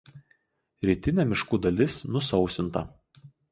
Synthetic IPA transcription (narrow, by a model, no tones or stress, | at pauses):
ɾʲiːt̪ʲɪnʲɛmʲɪʃkuːd̪ɐlʲɪsnʊsɒʊsʲɪnt̪ɐ